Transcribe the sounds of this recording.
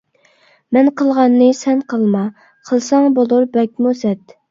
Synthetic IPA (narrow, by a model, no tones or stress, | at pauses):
mɛnqʰəlˠʁɑnːɨsɛnqʰəlˠmɑ | qʰəlˠsɑŋbolˠuɾbɛk̚ʲmusɛt̪